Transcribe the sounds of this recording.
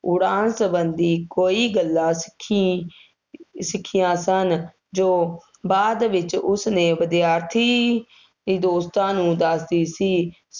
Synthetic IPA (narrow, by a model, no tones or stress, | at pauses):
ʊɽaːnsəbənd̪iːkoːiːɡəlːãːsɪ̥kʰːi | sɪkʰːɪjãːsən | d͡ʒoː | baːd̪ʋɪt͡ʃʊsnẽːʋəd̪ɪjaːɾt̪ʰiː | d̪iːd̪oːst̪ãːnũːd̪əsd̪iːsiː